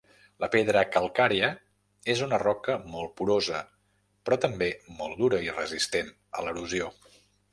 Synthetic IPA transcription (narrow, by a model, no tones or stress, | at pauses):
ləpeðɾəkəlˠkaɾiə | ezunərɔkəmɔlˠpuɾozə | pɾɔt̪əmbemɔlˠd̪uɾəirəzist̪en | ə̰ləɾuzio